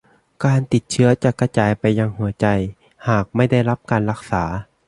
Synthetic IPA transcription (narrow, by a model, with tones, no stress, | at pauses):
kaː˨˧nt̪i˨˩t̪̚t͡ɕʰɯ˥ɐt͡ɕa˨˧˩ka˧t͡ɕaː˨˩jpa˨jːaː˧ŋhu˩˦ɐt͡ɕa˧˩j | haː˨˩k̚ma˥˩jda˥˩jla˦˥p̚kaː˨nla˧˩k̚saː˩˦